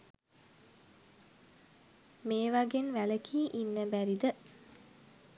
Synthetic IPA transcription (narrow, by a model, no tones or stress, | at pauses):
meːʋaɡenʋæləkʰiːʔinːəbæɾid̪ə